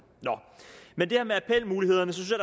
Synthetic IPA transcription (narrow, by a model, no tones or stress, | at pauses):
nɒmend̥e̝hæɐmeæpʰel̰muːlihe̝ð̞̰ˠɐnəs̬ɒsynsjɑd